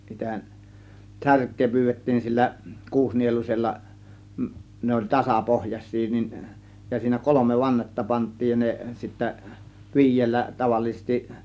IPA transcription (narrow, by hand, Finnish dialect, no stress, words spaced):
sitæ særkˑeː pyːʋetːiːn sielːæ kuːsnielusʲelːɑ ne olʲ tɑsɑpohjɑsˑiː niːn jɑ siːnæ kolomeʋ ʋɑnːetːɑ pɑntˑiːj jɑ ne sitːæ ʋi̞ijˑelːæ tɑʋɑˑliːsestiʔ